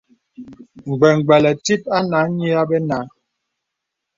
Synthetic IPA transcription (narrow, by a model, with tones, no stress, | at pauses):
ŋ̩˨ɡ͡bɛ˨ŋ˨ɡ͡bɛ˨lɛ˨ti˦p̚a˦na˨˦ɲi˦a˦bɛ˦na˨˦